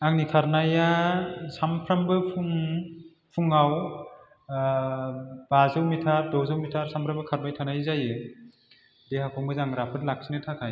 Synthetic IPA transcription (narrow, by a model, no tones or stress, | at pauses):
aŋnikʰaɾnajasampʰɾambɯpʰuŋ | pʰuŋaw | b̥azɯwmitʰaɾdɔwzɯwmitʰaɾsampʰɾambɯkʰaɾbajtʰanajzajɯ | dehakʰɔŋbɯzaŋɾapʰɯtlak̚sʰinɯtʰakʰaj